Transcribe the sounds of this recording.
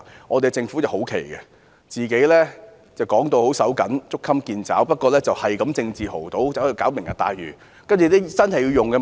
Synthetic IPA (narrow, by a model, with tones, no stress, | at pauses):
ŋɔː˨˧t̪e˨˧ɛt͡sɪ˧ŋfuː˨˥jɐ˨˩who˨˥wkʰḛ˨˩jɡɛ˧ | t͡siː˨ke˨˥jlɛː˥ | t͡sɐ˨wkɔː˨˥ŋt̪o˧who˨˥wsɐ˨˥wkɐ˨˥nt͡sʊ˥kʰːɐ˥mkiː˧nt͡sa̰ː˨˥wpɐ˥t̚kʷɔː˧lɛː˥t͡sɐ˨whɐ˨jkɐ˨˥mt͡sɪ˧ŋt͡siː˨ho˨˩wt̪o˨˥wt͡sa˨˥i˧kaː˨˥wmɪ˨˩ŋjɐ˨t̪a̰ː˧jɥyː˨˩ | kɐ˥nt͡ʃy˨lɛ˥sɐ˥nhɐ˨ji˧wjʊ˨ŋkɛ˧